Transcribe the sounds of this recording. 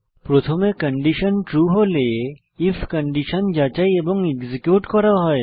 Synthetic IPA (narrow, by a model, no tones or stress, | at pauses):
pɾot̪ʰomekəɳɖiʃənʈɾuːɦolee | ifʰkəɳɖiʃənd͡ʒat͡ʃaiebɔŋɡeɡzikjuːʈkɔɾaɦɔe